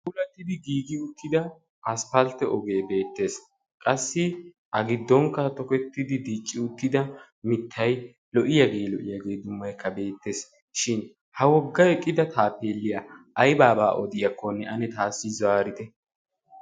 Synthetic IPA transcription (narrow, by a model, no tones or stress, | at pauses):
ʔʊlɐt̪ːɪd̪ɪɡiːɡɪʊt̪ːɪd̪ɐ | ʔɐspɐlt̪ːɛʔɔɡe̞ːbe̞ːt̪ːe̞ːs | kʼɐsːɪ | ʔɐɡɪd̪ːɔŋkːɐt̪ɔkɛt̪ːɪd̪ɪd̪iːt͡ʃʼːɪʊt̪ːɪd̪ɐ | mɪt̪ʰːɐj | lɔʔɪjɐɡe̞ːlɔʔɪjɐɡe̞ːd̪ʊmːɐjkʰːɐbe̞ːt̪ːe̞ːs | ʃɪn | hɐwɔɡːɐɛkʼːɪd̪ɐt̪aːpe̞ːlːɪjɐʔɐjbaːbaːʔɔd̪ɪjɐkʰːɔnːɛʔɐnɛt̪aːsːɪzaːɾɪt̪ɛ